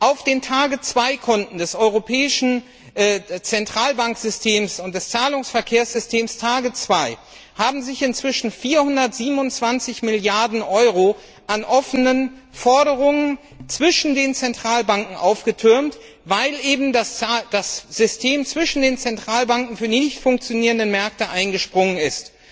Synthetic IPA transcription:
ʔaʊfd̥eːntʰaːɡət͡sv̥aɪkʰɔntn̩dɛsʔɔʏʁopʰɛːɪʃn̩ | ɛːt͡sɛntʁ̥aːlbaŋkz̥ʏstʰeːmsʊnt̚d̥ɛst͡saːlʊŋsfɛɐkʰeːɐsz̥ʏstʰeːmstʰaːɡət͡sv̥aɪ | haːbm̩zɪçɪnt͡sv̥ɪʃn̩fiːɐhʊndɐtz̥iːbmnʊnt͡sv̥ant͡sɪçmɪljaɐdn̩ʔɔʏʁo | ʔanʔɔfənənfɔɐɾəʁ̞ʊŋən | t͡sv̥ɪʃn̩deːnt͡sɛntʁ̥aːlbaŋkŋ̩ʔaʊfɡ̥ətʰʏɐmt | vaɪlʔeːbm̩dasd̥asz̥ʏstʰeːmt͡sv̥ɪʃn̩deːnt͡sɛntʁ̥aːlbaŋkŋ̩fyːɐdinɪçtfʊŋk̚t͡sjoniːʁə̃ndənmɛɐk̚təʔaɪnɡəʃpʁ̥ʊŋənɪst

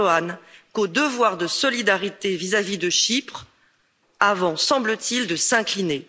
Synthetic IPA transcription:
ankod̪əvwaʁd̪əsɔlid̪aʁit̪evizavid̪əʃipχ | avɑ̃sɑ̃blət̪ild̪əsɛ̃kline

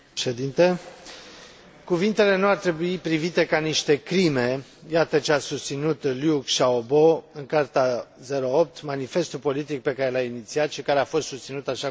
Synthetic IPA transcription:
ʃed̪int̪e | kuvint̪e̞le̞nuart̪ɾe̞buipɾivit̪e̞kaniʃt̪e̞kɾime̞jat̪ət͡ʃeasust̪sinut̪ljukʃaobo̞ɨŋkart̪aze̞ɾo̞op̚t̪manife̞st̪upo̞lit̪ik̚pe̞kaɾe̞lainit̪siat̪ʃikaɾeafo̞st̪sust̪sinut̪aʃa

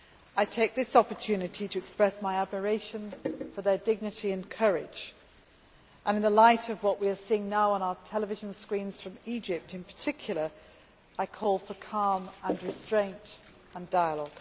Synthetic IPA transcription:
aɪtʰeɪk̚ðɪsɑpə˞tʰʉnɨɾʰiɾɨːkspɹɛsmaɪæd̚mə˞eɪʃɨ̃nfə˞ðə˞dɪɡ̚nɨɾiɨ̃nkʰɜɹɪ̥d͡ʒ | ʔə̃nɨ̃nðəlaɪɾʌvwʌʔwiə˞siɪ̃ŋnaʊə̃ñaʊə˞tʰɛlˠəvɪʒn̩skɹĩnz̥fɹʌ̃mid͡ʒɪp̚tɨ̃npʰə̥˞tʰɪkʰjl̩ˠə˞ | aɪkʰɔlˠfəkʰɑɹmə̃nɹɨstɹ̥ẽɪ̃nt | ə̃ndaɪəlɔɡ̥

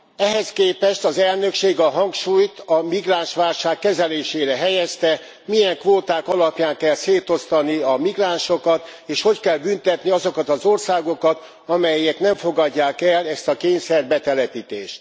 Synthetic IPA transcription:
ɛɦɛskeːpɛʃt̪ɒzɛlnø̞kʃeːɡɒɦɒŋkʃuːjt̪ɒmiɡraːnʃʋaːlʃaːkːɛzɛleːʃeːɾɛɦɛjɛst̪ɛ | mijɛŋkʋoːt̪aːkɒlɒpjaːŋkɛlseːt̪o̞st̪ɒniɒmiɡraːnʃo̞kɒt̪ | eːʃho̞ckɛlbynt̪ɛt̪niɒzo̞kɒt̪ɒzo̞rsaːɡo̞kɒt̪ | ɒmɛjːɛt̪nɛɱfo̞ɡɒɟːaːkɛlɛst̪ɒkeːɲsɛrbɛt̪ɛlɛpit̪eːʃt̪

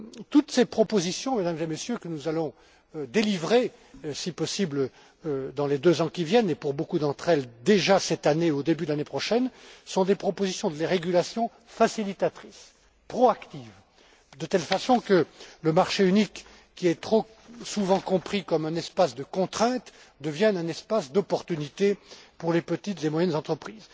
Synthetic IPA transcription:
t̪ut̪sepχɔpozisjɔ̃med̪amzemesjøkənuzalɔ̃ | d̪elivʁe | sipɔsiblə | d̪ɑ̃led̪øzɑ̃kʲivjɛnepuʁbokud̪ɑ̃t̪χɛld̪eʒasɛt̪aneod̪ebyd̪əlanepχɔʃɛnsɔ̃d̪epχɔpozisjɔ̃d̪əleʁeɡʲylasjɔ̃ | fasilit̪at̪χis | pχɔakt̪iv | d̪ət̪ɛlfasɔ̃kələmaʁʃeynikː | iɛt̪χo | suvɑ̃kɔ̃pχikɔmɛ̃nɛspasd̪əkɔ̃t̪χɛ̃t̪ | d̪əvjɛ̃ɛ̃nɛspasd̪ɔpɔʁt̪ynit̪epuʁlepət̪it̪lemwajɛnzɑ̃t̪χəpχiːz

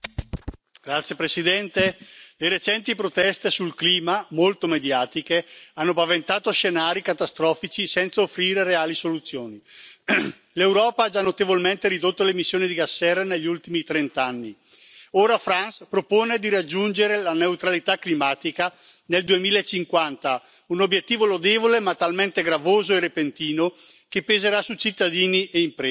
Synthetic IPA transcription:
ɡ̥ɾat̪sːjepɾesid̪ɛnt̪eleɾet͡ʃɛnt̪ipɾot̪ɛst̪esulkliːmamolt̪omed̪jaːt̪ikeanːopavent̪aːt̪oʃenaːɾikat̪ast̪ɾɔːfit͡ʃisɛnt̪saofːɾiːɾeɾeaːlisolut̪sːjoːni | lewɾɔːpaad͡ʒanːot̪evolment̪eɾid̪ot̪ːolemisːjoːnid̪iɡasːɛɾaneʎːiult̪imit̪ɾent̪anːi | oːɾafɾanspɾopoːned̪iɾad͡ʒːund͡ʒeɾelaneut̪ɾalit̪akːlimaːt̪ika | neld̪uemiːlaet͡ʃːiŋkwant̪a | unobjet̪ːiːvolod̪evolemat̪alment̪eɡɾavoːzoerepent̪iːno | kepːezeɾasut͡ʃit̪ːad̪iːniʔeimpɾe

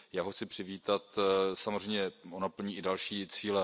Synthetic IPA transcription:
jaːɦoxt͡sɪpr̝̥ɪviːt̪at̪samorɛjɲɛʔonapl̩ɲiːʔɪdalʃiːt͡siːlɛ

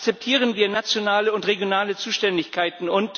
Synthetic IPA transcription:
t͡sɛp̚tʰiːʁ̞ənviːɐnat͡sjonaːləʊntʁeɡjonaːlət͡suːʃtɛndɪçkʰaɪtn̩ʊnt

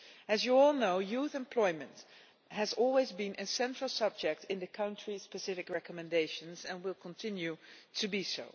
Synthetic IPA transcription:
ɨzjuɔlˠnoʊjuθɛ̃mpʰl̥ɔɪmə̃nt | hɨzɔlˠwezbɪ̃nʔɨsɛ̃ntɹ̥əlˠsʌb̚d͡ʒɛk̚tɪ̃nðɨkʰʌ̃ʊ̃ntɹ̥ispɨsɪfɨkɹɛkəmɨ̃ndeɪʃə̃nzɛ̃nwɪlˠkʰə̃ntʰɪ̃njutʰɨbisoʊ

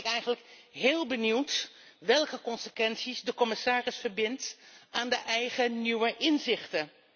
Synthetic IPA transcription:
ɪkɛjχənləkɦɪːlˠbəniwtʋɛlˠkəkɔnsəkʋɛnsizdəkɔmɪsaːrɪsfərbɪntaːndəʔɛjχəniwəʔɪnzɪχtə

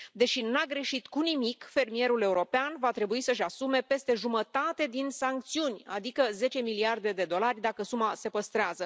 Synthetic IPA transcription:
d̪e̞ʃinaɡɾe̞ʃit̪kunimikfe̞rmije̞ɾule̞uɾo̞peanvat̪ɾe̞buisəʃ̬asume̞pe̞st̪e̞ʒumət̪at̪e̞d̪insaŋk̚t̪siunʲa̰d̪ikəze̞t͡ʃe̞miliard̪e̞d̪e̞d̪o̞larʲd̪akəsumase̞pəst̪ɾeazə

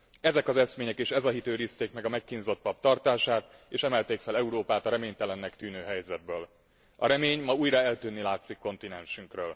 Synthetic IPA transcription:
ɛzɛkɒzɛsmeːɲɛkeːʃɛzɒɦit̪øːɾiːst̪eːkmɛɡɒmɛkːinzo̞t̪̚pɒpt̪ɒrt̪aːʃaːt̪eːʃɛmɛlt̪eːkfɛlɛuɾoːpaːt̪ɒɾɛmeːɲt̪ɛlɛnːɛkt̪yːnøːɦɛjzɛd̪̚bøːl | ɒɾɛmeːɲmɒuːjrɒɛlt̪yːnːilaːt̪sikːo̞nt̪inɛnʃyŋkrøːl

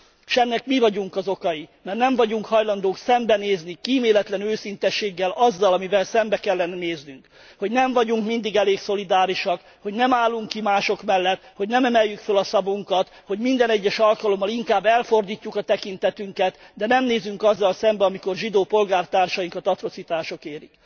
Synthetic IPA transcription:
ʃɛnːɛkmivɒɟuŋkɒzo̞kɒjimɛrnɛɱvɒɟuŋkhɒjlɒnd̪oːksɛmbɛneːznikiːmeːlɛt̪lɛnøːsint̪ɛʃːeːɡːɛlɒzːɒlɒmivɛlsɛmbɛkɛlːɛnɛneːznyŋk | ho̞ɟnɛɱvɒɟuŋkmind̪iɡɛleːkso̞lid̪aːɾiʃɒk | ho̞ɟnɛmaːlːuŋkːimaːʃo̞kmɛlːɛt̪ho̞ɟnɛmɛmɛjːykfølɒsɒbuŋkɒt̪ho̞ɟmind̪ɛnɛɟːɛʃɒlkɒlo̞mːɒliŋkaːbːɛlfo̞rd̪iːcːukɒt̪ɛkint̪ɛt̪yŋkɛt̪d̪ɛnɛmneːzyŋkɒzːɒlsɛmbɛɒmiko̞rʒid̪oːpo̞lɡaːrt̪aːrʃɒjiŋkɒt̪ɒt̪ɾot̪sit̪aːʃo̞keːɾḭk

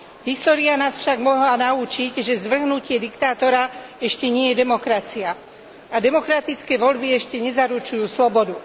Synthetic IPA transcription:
ɦist̪ɔːɾianaːsfʃaɡmɔɦlanauːt͡ʃicʒɛzʋr̩ɦnucɪɛd̪ikt̪aːt̪ɔɾaɛʃcɛɲɪɛjɛd̪ɛmɔkɾat͡sia | ad̪ɛmɔkɾat̪it͡skɛːʋɔʎbiɛʃcɛɲɛzaɾut͡ʃujuːslɔbɔd̪u

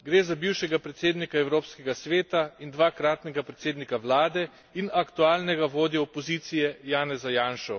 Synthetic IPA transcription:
ɡɾeːzabiwʃɛɡapɾɛt̪seːd̪nikaɛwɾoːpskɛɡasʋeːt̪aind̪ʋaːkɾaːt̪nɛɡapɾɛt̪seːd̪nikaʋlaːd̪ɛ | inakt̪uaːlnɛɡaʋoːd̪jɛɔpɔziːt̪sijɛjaːnɛzajaːnʃɔ

